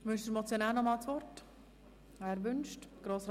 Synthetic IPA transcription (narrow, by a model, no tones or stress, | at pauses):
ʋʏnʃdɪɾmɔt͡sjonaːlnɔmɑːlt͡sʋɔrt | æɾʋʏnʃtɡ̥ɾoːsɾ